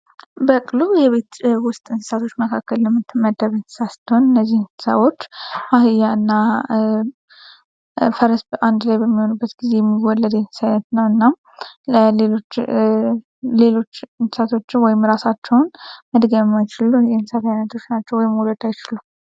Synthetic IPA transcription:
bəkʼlujɛβe̞t̪wʊst̪ʼɨnsɨ̥sat̪ʰo̞t͡ʃːməkʰakːəlːɛmːɨt̪ʰːɨməd̪əβɨnsɨ̥sast̪ʰəunɨnːəzːihsə̰βo̞t͡ʃːhahɨjaɨnːa | fəɾəsʔand̪lajbəmːiho̞nubːət̪ɡize̞jɛmːiwɔlːəd̪ɛnsɨ̥sajnət̪nəwɨnːam | əlelot͡ʃː | le̞lo̞t͡ʃːɨnsɨsat̪ʰo̞t͡ʃːɪnwɔjɪmɾasat͡ʃːɛwnməd̪ɡəβɛmajɪt͡ʃɪluɛnsat̪ajnət̪ʰo̞t͡ʃːnat͡ʃːɛwɔjɪmuləd̪ajɪt͡ʃɪlu

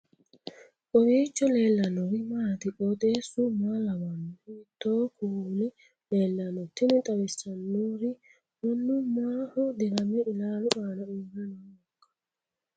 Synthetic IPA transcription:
ʔɔwiːt͡ʃːɔleːlːɐnɔɾɪmaːt̪ɪkɔt̪ʼeːsʊmaːlɐwɐnːt̪ːoːkʰuːlɪ | leːlːɐnɔt̪ːɪnɪt̪ʼɐwɛsːɐnːoɾɪ | wɔnːʊmaːhɔd̪ɪɾɐmːɛʔɪlaːlʊʔaːnɐʊɡɐnaːɔkːɐ̥

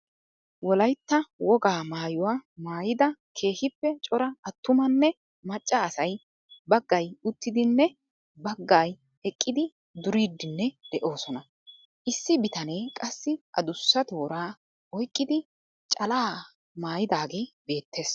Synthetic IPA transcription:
wɔlɐjt̪ːɐwɔɡaːmaːjʊwaːmaːjɪd̪ɐkʰe̞ːhɪpːɛt͡ʃʼɔɾɐɐt̪ːʊmɐnːɛ | mɐt͡ʃʼːɐːsɐj | bɐɡːɐjʊt̪ːɪd̪ɪnːɛ | bɐɡːaːj | ɛkʼːɪd̪ɪ | d̪ʊɾiːd̪ːɪnːɛd̪̥ɛʔo̞ːsɔnɐ | ʔɪsːɪbɪt̪ɐne̞ːkʼɐsːɪʔɐ̰d̪ʊsːɐt̪o̞ːɾaː | ɔjkʼːɪd̪ɪ | t͡ʃʼɐlaː | maːjɪd̪aːɡe̞ːbe̞ːt̪ːe̞ːs

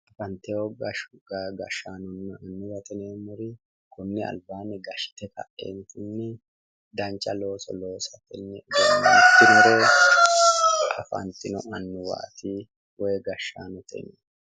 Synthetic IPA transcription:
ʔɐfɐnt̪ɛɔɡɐɡɐʃaːnʊnːɐɐnːʊwɐt̪ɛneːmʊɾɪ | kʊnːɪɐ̰lbaːnɛɡɐʃɪ̥t̪ɛkɐ̰ʔḛːnt̪ʊnːɛ | d̪ɐnt͡ʃʼːɐlo̞ːsɔ̰lo̞ːsɐt̪ɛnːɛd̪ːɪmʊɾe | ʔɐ̰fɐ̰nt̪ɪnʊɐnːʊwa̰ːt̪i | wɔjɛɡɐʃːa̰ːnʊt̪ʰɛ̰nḛː

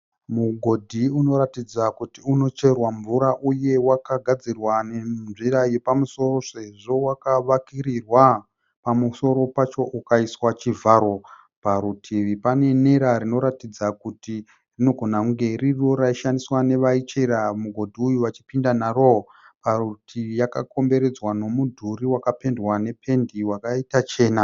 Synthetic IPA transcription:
muɡʱo̞dʱiuno̞ɾatid͡zakutiuno̞t͡ʃe̞rwaɱvuɾaʔuje̞wakaɡʱad͡zirwanenʐiɾaje̞pamuso̞ro̞se̞ʐo̞wakaʋakirirwa | pamuso̞ɾo̞pat͡ʃo̞ʔukaiswat͡ʃivʱaːɾo̞ | paɾutʰipane̞ne̞ɾarino̞ɾatid͡zakuti | rino̞ɡʱo̞nauŋɡe̞riro̞ɾaiʃandiswane̞ʋait͡ʃeɾamuɡʱo̞dʱiujuʋat͡ʃipindanaro̞o | parutʰijakako̞mbe̞ɾe̞d͡zwano̞mudʱuɾiwakape̞ndwane̞pʰe̞ndiwakaitat͡ʃe̞ːna

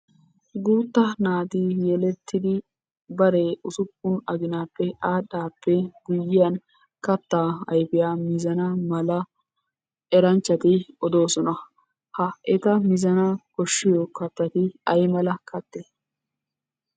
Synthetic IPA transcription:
ɡuːt̪ːɐnaːd̪ijɛlɛt̪ːɪd̪ɪ | bɐɾeʊsʊpːʊnɐɡɪnaːpːɛʔaːɗaːpːɛɡʊjːɪjɐn | kɐt̪ːaːɐ̰jpɪjaːmɪzɐnɐmɐlɐ | ɛɾɐnt͡ʃːɐt̪ɪɔd̪o̞ːsɔnɐ | hɐʔɛt̪ɐmɪzɐnɐkɔʃːɪjɔkɐt̪ːɐt̪ɪɐjmɐlɐkɐt̪ːeː

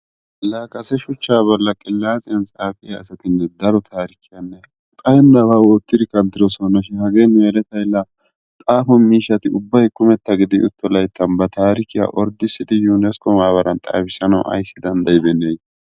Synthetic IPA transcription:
laːkʼɐsɛʃʊt͡ʃːaːbɔlːɐkʼɪlːaːt͡sʼɪjɐnt͡sʼaːfʼɪjɐɐsɐt̪ɪnːɛd̪ɐɾɔt̪ʰaːɾɪkʰɪjɐnːɛ | kʼɐjɛnːɐbaːwɔːt̪ːɪd̪ɪkɐnd̪ɪɾɔsɔnːɐʃɪnhɐɡeːnmeːɾɛt̪ɐjlːɐ | t̪ʼaːfʊnmiːʃːɐt̪ɪʊbːɐjkʊmɛt̪ːɐɡɪd̪ɪʔʊ̰t̪ːɔlɐjt̪ːɐnbɐt̪aːɾɪkɪja̰ʔɔɾd̪ɪsːɪd̪ɪjuːnɛskɔmaːbɐɾɐnt̪ʼa̰ːfɪsɐnɐw̰ʔɐ̰jsːɪd̪ɐnd̪ɐjbɛnːej

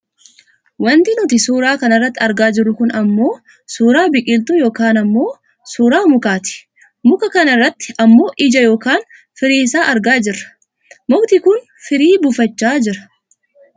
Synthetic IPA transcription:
wɐnt̪ɪnʊt̪ɪsuːɾaːkɐnɐrːɐt̪ːɪɐɾɡaːd͡ʒɪɾʊkʊnɐmːo̞ː | suːɾaːbɪkʼɪlt̪ʊjo̞ːkaːnɐmːo̞ː | suːɾaːmʊkaːt̪ɪ̥ | mʊkɐkɐnɪrːɐt̪ːɪ̥ɐmːo̞ːʔɪd͡ʒɐjo̞ːkaːn | fɪɾiːsaːʔɐɾɡaːd͡ʒɪrːɐ̥ | mʊkt̪ɪkʊn | fɪɾiːbʊfɐt͡ʃːaːd͡ʒɪɾɐ̥

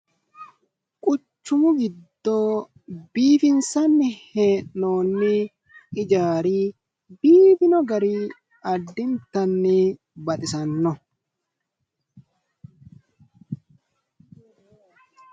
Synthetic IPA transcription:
kʼʊt͡ʃːʊmʊɡɪd̪ːoː | biːfɪnsɐnːɪheːʔnoːnːɪ | ɪd͡ʒaːɾiː | biːfɪnɔɡɐɾi | ɐd̪ːɪnt̪ːɐnːɪ | bɐt̪ʼɪsɐnːɔ

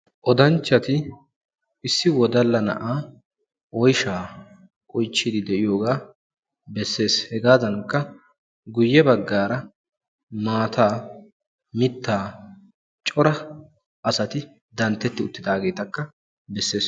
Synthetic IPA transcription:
ʔɔd̪ɐnt͡ʃːɐt̪ɪ | ɪsːɪwɔd̪ɐlːɐnɐ̰ʔaː | ʔɔjʃaː | ʔɔjt͡ʃːɪd̪ɪd̪ɛʔɪjoːɡaː | bɛsːe̞ːshɛɡaːzɐnkːɐ | ɡʊjːɛbɐɡːaːɾɐ | maːt̪ʰaː | mɪt̪ːaː | t͡ʃʼɔɾɐ | ʔɐsɐt̪ɪ | d̪ɐnt̪ːɛt̪ːɪʊt̪ːɪd̪aːɡe̞ːt̪ɐkːɐ | bɛsːe̞ːs

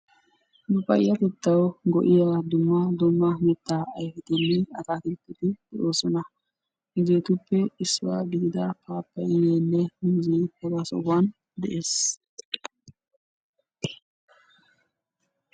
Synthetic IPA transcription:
bʊpɐ̰jːɐk̪ɛt̪ːɐwɡɔ̰ʔɪjad̪ʊmːɐd̪ɔmːɐmɛt̪ːaːjfɪt̪ɪnːɪɐt̪aːkɪt̪ːɪt̪ɪd̪̥ɛʔoːsɔnɐ | ɪzeːt̪ʊpːɛɪsːʊwa̰ːɡɪd̪ɪd̪ɐpʰaːpːɐjɪneːlːɛhʊmzihɛɡasɔ̰wːan | d̪ɛʔe̞ːs

